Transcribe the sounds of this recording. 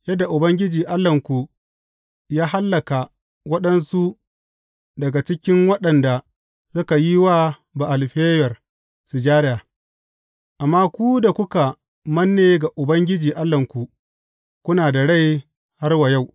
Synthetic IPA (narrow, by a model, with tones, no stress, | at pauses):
jɐ˦dːa˨ʔʊ˨bɐ˦ŋɡʲɪ˦d͡ʒiː˨ʔa˦lːɐ˨ŋkʷu˨ | jaː˦ha˦lːɐ˨ka˨ | wɐ˦ɗɐ˦nsu˦ | dɐ˨ɡa˨t͡ʃɪ˦kʲɪ˦ŋwɐ˦ɗɐ˨nda˨ | sʊ˦ka˨ji˦waː˦ | ba˨ʔa˨lɸeː˦jɐ˨r | su˨d͡ʒaː˦ɾaː˨ | ʔa˨mːaː˦kʷu˦da˨kʷʊ˦ka˨ | mɐ˦nːeː˨˦ɡa˨ʔʊ˨bɐ˦ŋɡʲɪ˦d͡ʒiː˨ʔa˦lːɐ˨ŋkʷu˨ | kʷʊ˦naː˨da˨ɽa˦˨j | ha˦rwa˨ja˦˨w